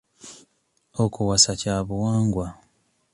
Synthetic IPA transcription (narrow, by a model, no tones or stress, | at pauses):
okuwasacaːβuwaːŋɡwa